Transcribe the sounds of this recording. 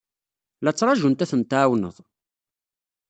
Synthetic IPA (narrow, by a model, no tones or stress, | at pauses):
læt͡sːɾˤɑʒunt̪æθənt̪ʕwnə̰ðˤ